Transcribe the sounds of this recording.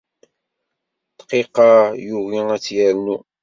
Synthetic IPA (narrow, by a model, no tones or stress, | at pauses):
t̪qiqɑjuɣiæt͡sːjæɾnu